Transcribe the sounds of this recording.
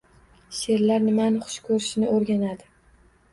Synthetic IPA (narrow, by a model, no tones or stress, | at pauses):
ʃe̞ɾlaɾnɪmanɪχʊ̥ʃkʰɵɾɪʃɪnɪoɾɡʲanad̪ɪ